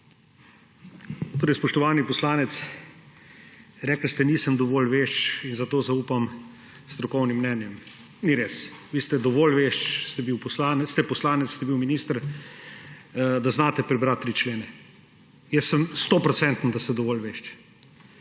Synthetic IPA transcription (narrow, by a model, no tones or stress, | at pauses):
t̪oːɾɛjspɔʃt̪ɔʋaːnipɔslaːnɛt̪s | ɾɛːkl̩st̪ɛniːsəmd̪ɔʋoːlʋeːʃt͡ʃinzat̪oːzauːpam | st̪ɾɔkɔwnimːnɛːnjɛm | niɾeːsʋiːst̪ɛd̪ɔʋolʋeʃt͡ʃst̪ɛbiwpɔslanst̪ɛpɔslaːnɛt̪sst̪ɛbiwminiːst̪əɾ | d̪aznaːt̪ɛpɾɛbɾat̪ːɾit͡ʃleːnɛ | jɛsːəmst̪opɾɔsɛnt̪n̩d̪ast̪ɛd̪ɔʋoːlʋeʃt͡ʃ